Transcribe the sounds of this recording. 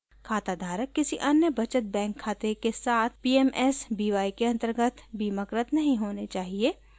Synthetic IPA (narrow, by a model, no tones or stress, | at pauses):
kʰaːt̪ad̪ʱaːɾəkːɪsiʔɐnjəbɐt͡ʃət̪̚bɛ̃ːŋkʰːaːt̪ekesaːt̪ʰpiːemɛsbiːʋaːikeɐ̃nt̪əɾɡət̪ʰbiːməkɾət̪nɐɦĩɦoːnet͡ʃaːɦie